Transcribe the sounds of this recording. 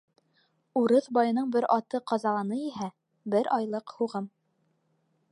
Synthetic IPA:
uɾɤðbɑjɤ̆nɤɴbɘɾɑt̪ɤqɑzɑlˠɑnɤjiɦæ | bɘɾʔɑjlˠɤqhuʁɤm

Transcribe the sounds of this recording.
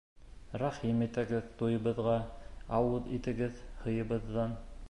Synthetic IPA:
ɾɑχimit̪æɡɘðt̪ojɤ̆βɤ̆ðʁɑɑwɤðit̪ɘ̆ɡɘðhɤ̆jɤ̆βɤ̆ðːɑn

